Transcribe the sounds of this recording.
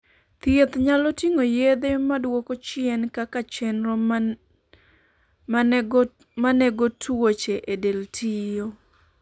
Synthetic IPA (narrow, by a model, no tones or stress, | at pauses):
t̪jet̪ɲalɔtiŋojed̪emadwokot͡ʃɪɛnkakat͡ʃɛnɾɔ | ma | maneɡotwot͡ʃeʔedeltʰijo